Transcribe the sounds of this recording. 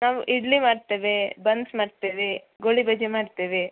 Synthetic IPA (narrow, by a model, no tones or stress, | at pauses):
naːʋuʔiɽlimaːɖt̪eːʋebɐnsmaːɖt̪eːʋe | ɡoɭibɐd͡ʒemaːɖt̪eːʋe